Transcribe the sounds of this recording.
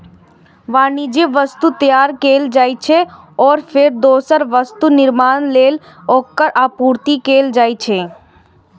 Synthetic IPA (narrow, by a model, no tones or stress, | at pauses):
ʋaːnid͡ʒeʋəst̪ut̪jaːɾkeːld͡ʒaːit͡ʃʰe | ɔːɾfʰɪɾd̪oːsəɾʋəst̪unɪɾmaːnleːl | oːkːəɾʔaːpuːɾt̪ikeːld͡ʒaːit͡ʃʰeː